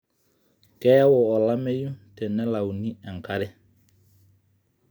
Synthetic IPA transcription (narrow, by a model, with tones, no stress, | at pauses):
kɛ˦wɔː˨la˦mɛ˦ju˦tɛ˨nɛ˦la˨wu˨ni˦ɛ˨ŋka˦ɾɛ˦